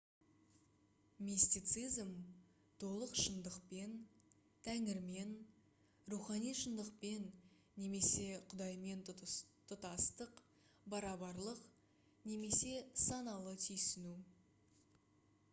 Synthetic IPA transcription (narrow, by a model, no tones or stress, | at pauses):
mesʲt̪ijt̪sizm | t̪ʰo̞lˠəqʃənd̪əqpe̞n | t̪ʰæŋɪɾme̞n | ruχɑnijʃənd̪əqpe̞nː | e̞me̞se̞qʰʊd̪ɑjme̞nt̪ʰʊt̪ɑst̪əq | bɑɾɑβɑɾlˠəq | ne̞me̞se̞sɑnɑlˠət̪ʰʏjsɪnu